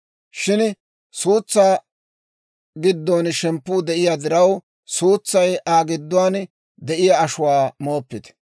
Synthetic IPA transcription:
ʃɪn | suːt͡sːaː | ɡɪd̪ːoːnʃɛmpːʊːd̪ɛʔɪjaːd̪ɪɾɐw | suːt͡sːɐjʔaːɡɪd̪ːʊwaːn | d̪ɛʔɪjaːʃʊwaːmo̞ːpːɪd̪

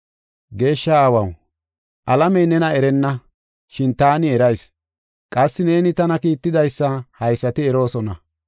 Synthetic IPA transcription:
ɡe̞ːʃːɐaːwɐw | ʔɐlɐmɛjnɛnɐɛɾɛnːɐ | ʃɪnt̪aːnɪɛɾɐjs | kʼɐsːɪne̞ːnɪt̪ɐnɐkiːt̪ːɪd̪ɐjsːɐhɐjsːɐt̪ɪɛɾo̞ːsɔnɐ

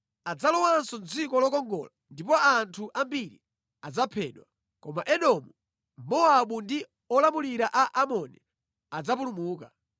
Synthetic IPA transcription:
ad͡zalɔwansɔnd͡zikɔlɔkɔŋɡɔ̰landip̬ɔantʰuʔambiɾḭ | ad͡zapʰɛ̰ːɗwa | kɔmaʔɛɗɔmu | mɔaɓundi | ɔlamuliɾaʔaʔamɔnḭ | ad͡zap̬ulumuːka

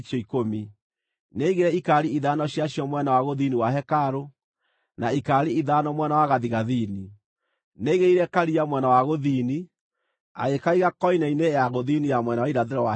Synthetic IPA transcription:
ʃɔikomi | neiɣeɾɛikaɾiiðanɔɕjaɕjɔmwɛnawaɣoðiniwaɦɛkaɾo | naikaːɾiiðanɔmwɛnawaɣaðiɣaðini | neɣeiɾɛkaɾiamwɛnawaɣoðiːni | a̰ɣekaiɣakɔinainejaɣoðinijamwɛnawaiɾaðeɾɔwa

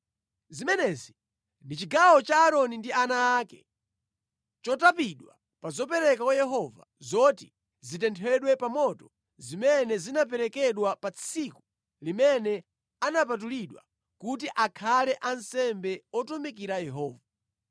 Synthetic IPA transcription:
zimɛnɛzi | ndit͡ʃiɡawɔt͡ʃaːɾɔnindianaːkɛ̰ | t͡ʃɔtapiɗwa̰ | pazɔpɛɾɛkakwajɛɦɔva̰zɔti | zit̬ɛntʰɛɗwɛpamɔtɔ | zimɛnɛzinap̬ɛɾɛkɛɗwapat͡sʰiku | limɛnɛ | anap̬at̬uliɗwa̰ | kut̬iʔakʰalɛʔansɛmbɛɔtɔmik̬iɾajɛɦɔːva

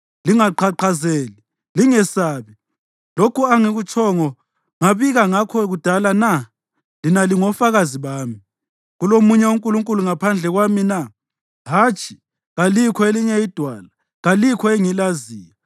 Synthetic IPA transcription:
liŋaǃaǃʰazeːli | liŋɛsaːβi | lokuaŋiɣut͡ʃʰʼɔŋɔ | ŋaβiɣaŋakʰɔɣud̥ʱalana | linaliŋɔfaɣaziβaːmi | ɣulomuɲɛuŋkʼuluŋkʼuluŋapʰand͡ɮʱɛɣwamina | ɦaːt͡ʃʼi̥ | ɣalikʰɔeliɲɛid̥ʱwala | ɣalikʰɔeŋilaziːja

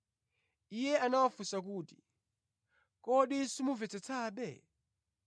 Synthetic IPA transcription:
ijɛʔanawafusak̬uːti̥ | kɔɗisimuvɛt͡sɛt͡sʰaːɓɛ

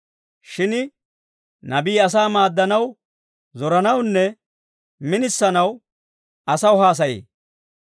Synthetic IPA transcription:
ʃɪnɪ | nɐbiːɐs̬aːmaːd̪ːɐnɐw | zɔɾɐnɐwnːɛ | mɪnɪsːɐnɐw | ɐsɐwɦaːs̬ɐjḛː

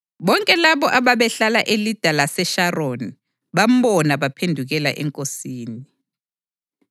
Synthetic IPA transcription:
ɓɔŋkʼɛlaɓɔʔaɓaɓɛɬalaʔelid̥ʱalasɛʃaroni | ɓam̩ɓɔnaɓapʰendʱuɣɛla̰ʔɛ̰ŋkʼosiːni

